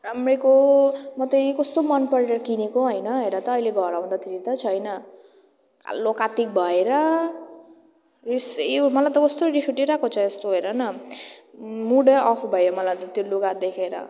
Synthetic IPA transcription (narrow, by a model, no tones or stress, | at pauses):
ramrekomʌt̪ʌjkʌst̪omʌnpʌɾeɾʌkinekoɦʌjnʌɦeɾʌt̪ʌːileɡʱʌɾaw̪̃d̪at̪ʰiɾit̪ʌt͡sʰʌjnʌ | ka̰lokat̪ik̚bʱʌeɾʌ | rismʌlajt̪ʌkʌst̪orisuʈiɾakot͡sʰʌest̪oɦejɾʌnʌ | muɽʌʔɔpʰbʱʌeɾʌmʌlajt̪ʌt̪iluɡad̪ekʰeɾʌ̰